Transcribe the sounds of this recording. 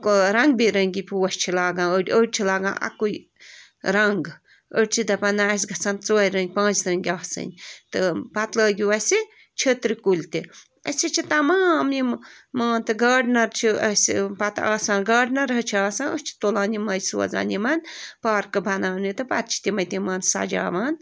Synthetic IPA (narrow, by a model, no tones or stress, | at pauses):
ɾɐŋɡ̚biɾɐŋɡʲipʰʲuːɐst͡ʃʰilaːɡãːəɽʲəɽ̚ʲt͡ʃʰilaːɡã̰ːʔɐ̰kuj | ɾɐŋɡ | əɽʲt͡ʃʰid̪ɐpɐnaːs̬ʲɡɐsaːnt͡soːiɾɐ̃ŋɡʲpãːt͡ʃɾɐŋɡʲaːsɐ̰nʲt̪ɨpɐt̪ləːɡʲiʋɐsi | t͡ʃʰet̪ɾikulʲt̪i | əsit͡ʃʰit̪ɐmaːmimmaːnt̪ɨɡɐːɖnɐɾt͡ʃʰiəsipɐt̪a̰ːsaːnɡɐːɖnɐɾɦɐt͡ʃʰiaːsãnəst͡ʃʰi̥t̪olaːnimɐjso̰ːza̰ːnimɐnpaːɾkɨbʱɐnaːnit̪ɨpɐ̰t̪̚t͡ʃʰi̥t̪imɐjt̪imaːnsa̰d͡ʒa̰ːʋaːn